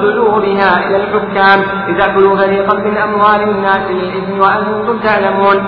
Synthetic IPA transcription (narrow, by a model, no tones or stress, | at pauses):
d̪ʊluːbɪɦaːʔɪlalħʊkːaːm | t̪ɪd̪aʕbɪluːfaɾiːqɑnmɪnʔamwaːlɪnːaːslɪlʔɪbnwaʔant̪ʊnt̪ʊmt̪aʕlamuːn